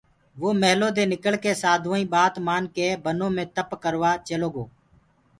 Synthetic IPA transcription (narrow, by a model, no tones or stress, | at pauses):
ʋoːməɦloːd̪eːnɪkəɭkeːsaːd̪ʱõːĩːɓaːt̪maːnkeːbənõːmẽːt̪əpkəɾʋaːt͡ʃəloːɡoː